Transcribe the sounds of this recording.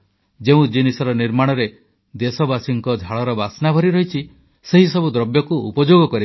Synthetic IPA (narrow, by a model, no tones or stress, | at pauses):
d͡ʒeũd͡ʒinisɔɾɔniɾmaɽ̃ɔɾe | d̪esɔbasiŋkɔd͡ʒʱaɭɔɾɔbasnabʱɔɾiɾɔɦit͡ʃʰi | seɦisɔbud̪ɾɔbjɔkuṵpɔd͡ʒoɡɔkɔɾi